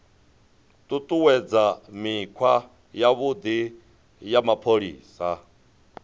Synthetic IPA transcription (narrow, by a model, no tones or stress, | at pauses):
t̪ʼut̪ʼuwɛd͡zamikʰwa | jaβud̪i | jamapʰoɺḭːsa